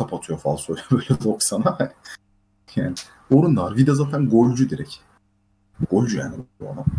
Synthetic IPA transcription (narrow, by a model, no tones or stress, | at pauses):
apʰat̪ʰɯjofasojlʲɛbøːlʲɛvoksanaɛ | jaːnɪ | oɾunːaɾɡid̪ɛzaːt̪ʰænɡolʲd͡ʒud̪iɾɛ̰c | ɡolʲd͡ʒuja̰ːnibua̰d̪am